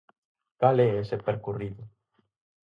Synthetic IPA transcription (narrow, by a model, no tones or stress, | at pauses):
kalɛesepeɾkuriðu